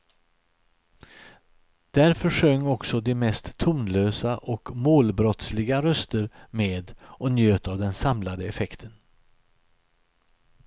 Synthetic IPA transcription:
d̪̥æɾfœʂœŋːɔksɔd̪ɪmɛst̪ʰːuːnløːsaʔɔkmoːlbɾɔt̪slɪɡaɾœst̪əɾmeːd̪ɔnjøːt̪avd̪ɛnsamlad̪əɛfɛkt̪ʰən

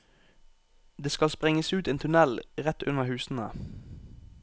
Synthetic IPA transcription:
d̪eːskɑlspʁɪŋəsʉːt̪eːnt̪ʰʉnɛlʁɛt̪ʉnəhʉːsn̩ə̰

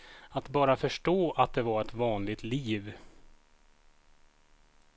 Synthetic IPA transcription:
at̪bɑːɾafœʂʈoːʔat̪̚d̪ɛvaɾɛt̪vɑːnlɪɡ̚t̪liːv

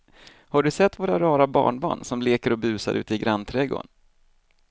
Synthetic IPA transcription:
haɖɵsɛt̪ːvoːɾaɾɑːɾabɑ̰ːɳbɑ̰ːɳsɔmleːkəɾɔbʉ̟ːsa̰ɾʔʉ̟ːt̪əɪɡɾanːt̪ʰɾɛɡo̰n

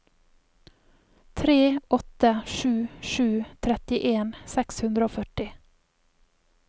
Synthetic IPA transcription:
t̪ʰɾeːʔɔt̪əʃʉːʃʉːt̪ʰɾɛt̪ɪʔeːnsɛkshʉnd̪ɾəoːfœʈɪ

